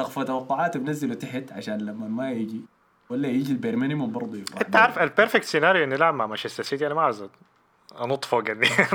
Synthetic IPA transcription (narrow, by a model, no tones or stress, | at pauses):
ʔɑɣfat̪awɑqːʊʕaːt̪bnazːɪlut̪ɪħɪt̪ʕaʃaːnlamːamajɪɡi | walːajɪd͡ʒilbeɾmanɪmʊmbɑɾˤd̪ˤujɪʔɪnt̪ːaʕaːɾˤfalpeɾfek̚t̪senaːɾjʔenːilaʕamːaʕmaʃast̪asiːd̪iʔanamaʕaz | ʔɑnot̪ˤfoɡɪd̪ːi